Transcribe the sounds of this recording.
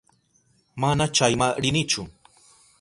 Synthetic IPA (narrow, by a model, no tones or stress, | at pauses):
manat͡ʃajmaɾɪnɪt͡ʃʊ